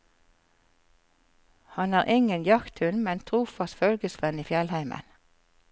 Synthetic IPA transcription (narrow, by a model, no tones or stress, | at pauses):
hɑnæːʁʔɪŋənjɑkt̪hʉnmɛnt̪ʰʁuːfɑsfœlɡəsʋɛniːfjɛlhæɪmə̰n